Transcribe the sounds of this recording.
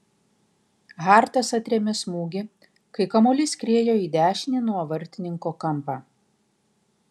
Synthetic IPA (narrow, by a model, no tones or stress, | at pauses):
ɣɑːˑɾt̪ɐsɐt̪ʲɾʲeɛmʲɪsmuːɡʲɪ | kɐɪkɐmoːlʲɪskʲɾʲiɛjoːiːd̪ʲæːʃʲɪnʲɪnuɔʋɐɾʲt̪ʲɪnʲɪŋkoːkɐmpɑː